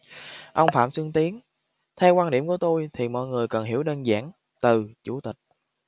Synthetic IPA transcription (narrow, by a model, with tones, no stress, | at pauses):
ʔə˧wŋ͡mfa̰ː˧˨msɨ˧əŋt̪i˨˦ən | t̪ʰɛ˧wkwaː˧nɗḭ˧˩əmku˧˩ət̪o˧jt̪ʰi˨˩mɔ̰˧˨jŋɨ˨˩əjkə˨˩nɦi˧˩əwɗəː˧nza̰ː˧˥˩n | t̪ɨ˨˩t͡ɕṵ˧˩t̪ï˨˩k̟̚